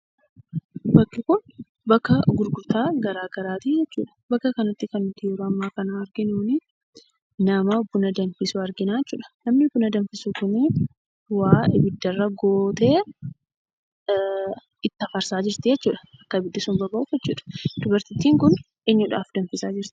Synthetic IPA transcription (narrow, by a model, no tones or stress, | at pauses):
bɐkːɪkʊn | bɐkːɐɡʊɾɡʊɾt̪aːɡɐɾaːɡɐɾaːt̪id͡ʒɛt͡ʃːṵːᶑɐ̥bɐkːɐkɐnɐt̪ːɪkɐnːʊt̪ːɪjɔɾɐmːaːkɐnaːɾɡɪnuːnɪ | nɐmɐɔbːʊnɐd̪ɐnfɪsʊɐɾɡɪnaːjɛt͡ʃːṵːᶑɐ̥nɐmnɪbʊnɐd̪ɐnfɪsʊkʊnɪ | waːɪbɪd̪ːɐrːɐɡoːt̪e̞ː | ɪt̪ːɐfɐɾsaːd͡ʒɪɾt̪ɪd͡ʒɛt͡ʃːuːᶑɐ̥ʔɐkːɐbɪd̪ːɪsʊmbɐbɐʔʊfjɛt͡ʃːṵːᶑɐ̥d̪̥ʊbɐɾt̪ɪt̪ːiːŋkʊn | ʔeɲːʊᶑa̰ːfd̪ɐnfɪsaːd͡ʒɪɾt̪ɪ̥